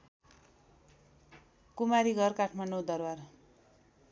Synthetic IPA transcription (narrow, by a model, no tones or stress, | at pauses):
kumaɾiɡʱʌrkaʈʰmaɳɖod̪ʌrwar